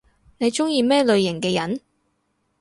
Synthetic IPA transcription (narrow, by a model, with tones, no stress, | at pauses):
ne˨˧jt͡ʃʊ˥ŋjiː˧mɛː˥lɵ˨˧ɥjɪ˨˩ŋkɛː˧jɐ˨˥n